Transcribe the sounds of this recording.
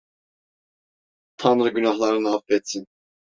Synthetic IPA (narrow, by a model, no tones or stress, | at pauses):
t̪ʰanɾɯɟynaɦlˠaɾɯnɯafvɛt̪sin